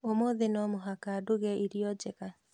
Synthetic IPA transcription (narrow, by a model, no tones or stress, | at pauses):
omoðenɔmoɦakaduɣɛiɾiɔd͡ʒeɣa